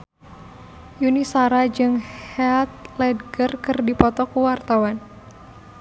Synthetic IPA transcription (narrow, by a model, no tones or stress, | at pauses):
junisaɾad͡ʒɨŋhɛlt̪̚lɛdɡərkɨrdipɔt̪ɔkuwart̪awan